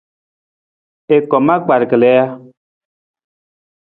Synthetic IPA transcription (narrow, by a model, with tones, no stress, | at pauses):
e˨kɔ˨ma˦k͡pa˨ɾkə˨lɛ˨˦ja˦